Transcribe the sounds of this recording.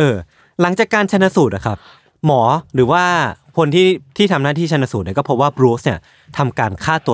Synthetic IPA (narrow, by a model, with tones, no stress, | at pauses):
ʔɤː˧ | la˩˦ŋt͡ɕaː˨˩kːaː˧nt͡ɕʰa˧nːa˧˥suː˨˩t̪̚a˨˩kʰa˦˥p̚ | mɔː˩˦ɾɯː˩˦waː˥˩kʰo˧nt̪ʰiː˥˩t̪ʰiː˥˩t̪ʰa˧mnaː˥˩t̪ʰiː˥˩t͡ɕʰnːa˧˩su˨˩t̪ni˥˩kɔ˥˩pʰo˦˥p̚waː˥˩bɾuː˦sni˥˩ɐ | t̪ʰa˧mkaː˧nkʰaː˥˩t̪u˧